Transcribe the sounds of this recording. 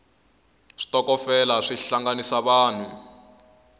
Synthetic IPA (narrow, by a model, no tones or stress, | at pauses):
ʂi̥tɔkɔfɛlaʂiɬaŋɡanisaβaːn̤u